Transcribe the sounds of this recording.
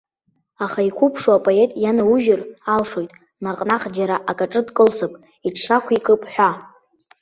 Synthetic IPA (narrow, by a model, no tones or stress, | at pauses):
aχaikʷʰupʰʂoapʼoe̞tʼjanauʒɪralʂo̞jtʼ | naqʼnaχd͡ʒaɾaʔakʼaʈ͡ʂʼɨdkʼɨlsɨpʼ | iʈ͡ʂʰʂakʷʰikʰʼɨpʼħʷᶣa